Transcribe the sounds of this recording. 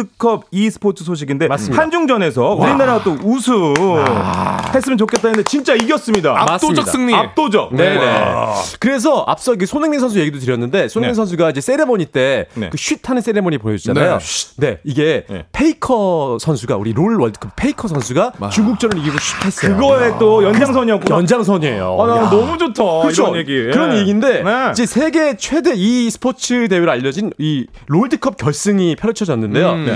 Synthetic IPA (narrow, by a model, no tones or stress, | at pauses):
ɯkʰʌb̚isʰɯ̥pʰotʰɯsʰoɕ̬ʰiɡinde̞assɯmihand͡ʑuŋd͡ʑʌne̞sʰʌuɾinaɾaɡt͈ousʰu | hes͈ɯmjʌnt͡ɕokʰet͈̚anɯndet͡ɕint͡ɕ͈aiɡjʌs͈ɯmɲidaaast͈ːmdas͈ɯŋɲiap̚t͈od͡ʑʌneekɯɾe̞s̬ʰʌʔa̰p̚s͈ʌik̬ɯsʰonɯŋneŋsʰʌns̬ʰuje̞ɡidotɯɾjʌnːɯnde̞sʰoneneŋsʰʌnsʰuɡaid͡ʑes͈e̞ɾemʌɲit͈e̞n̰kɯɕʰɥitʰanɯns͈e̞ɾemoɲipojʌd͡ʑid͡ʑanajone̞iɡe̞pʰe̞ikʰʌsʰʌnsʰuɡa̰ṵɾiɾoɭwʌɭdɯkʰʌp̚pʰeikʰʌsʰʌnsʰuɡat͡ɕuŋɡuk̚t͡ɕ͈ʌnɯɾiɡiɡoɕʰi̥tʰes͈ʌkɯɡʌe̞t͈ojʌnaŋsʰʌɲiʌkjʌnd͡ʑaŋsʰʌɲiḛjo̰anʌmud͡ʑotʰʌkɯt͡ɕʰojeɡikɯɾʌnnjeɡinde̞id͡ʑe̞sʰe̞ɡe̞t͡ɕʰwe̞de̞isʰɯ̥pʰot͡ɕʰɯte̞woɾɯɭaʎːʌd͡ʑiniɾoɭdɯkʰʌp̚k͈jʌɭs͈ɯŋipʰjʌɾt͡ɕʰʌd͡ʑʌnːɯnde̞jo